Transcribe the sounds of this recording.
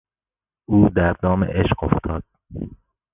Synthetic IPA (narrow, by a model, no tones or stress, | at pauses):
ʔuːd̪æɾd̪ɒːmḛʔeʃɢoft̪ʰɒːd̪̥